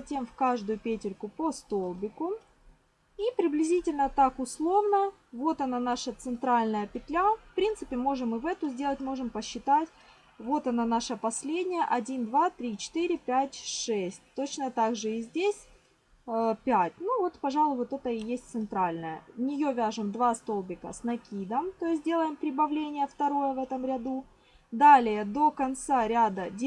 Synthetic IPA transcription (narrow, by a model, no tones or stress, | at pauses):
zɐtʲemfkaʐd̪ʊjʊpʲetʲɪrkʊpost̪o̞lˠbʲɪkʊ | ipɾʲɪblʲɪzʲitʲɪlʲnət̪akʊslˠo̞vnə | vo̞t̪ɐnanaʂət̪sɨnt̪ɾalʲnəjəpʲɪt̪lʲafpɾʲint̪sɨpʲɪmo̞ʐɨmːɨvɛt̪ʊzʲdʲe̞lˠətʲmo̞ʐɨmpəɕːɪt̪atʲ | vo̞t̪ɐnanaʂəpɐsʲlʲedʲnʲɪjəʔɐdʲind̪vat̪ɾʲit͡ɕɪ̥t̪ɨɾʲɪpʲætʲʂɛsʲt̚ʲt̪ot͡ɕnət̪aɡʐɨɪzʲdʲesʲ | pʲætʲnuvo̞t̪pɐʐɑlˠʊvot̪ɛt̪əɪjesʲt̚ʲt̪sɨnt̪ɾalʲnəjə̰nʲɪjo̞vʲaʐɨmd̪vast̪o̞lˠbʲɪkə̰snɐkʲid̪əmt̪o̞jɪs̬ʲtʲdʲe̞lˠəjɪmpɾʲɪbɐvlʲenʲɪjəft̪ɐɾo̞jəvɛt̪əmɾʲɐd̪u | d̪alʲɪjəd̪o̞kɐnt̪saɾʲad̪ədʲ